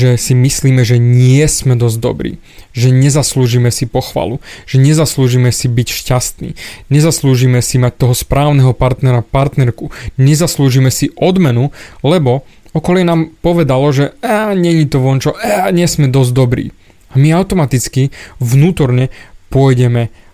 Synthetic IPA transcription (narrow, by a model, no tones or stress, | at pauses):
ʒɛsimisliːmɛʒɛɲɪɛsmɛd̪ɔzɟd̪ɔ̰bɾḭː | ʒɛɲɛzasluːʒiːmɛsipɔxʋa̰ːluʒ̥ɛɲɛzasluːʒiːmɛsibicʃcast̪nḭːɲɛzasluːʒimɛsimac̚t̪ɔɦɔspɾaːʊnɛɦɔpaɾt̪nɛɾapaɾt̪nɛɾkuɲɛzasluːʒiːmɛsiʔɔd̪mɛnulɛbɔɔkɔljɛnaːmpɔʋɛd̪alɔʒɛaːɲɛɲit̪ɔʋɔnt͡ʃɔʔaɲɪɛsmɛd̪ɔzɟd̪ɔbɾḭː | amiaʊt̪ɔmat̪it͡skiʋnuːt̪ɔɾɲɛpʊɔjɟɛmɛ